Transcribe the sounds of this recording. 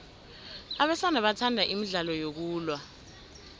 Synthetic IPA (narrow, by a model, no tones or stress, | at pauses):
aɓɛsanaɓatʰandʱaʔimiɮalɔjok̬uːlwa